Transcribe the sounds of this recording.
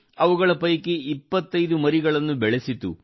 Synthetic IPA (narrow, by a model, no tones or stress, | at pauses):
ɐʋuɡɐɭɐpɐjkeipːɐt̪ːɐjd̪umɐɾiɡɐɭɐnːubɛɭesit̪ṵ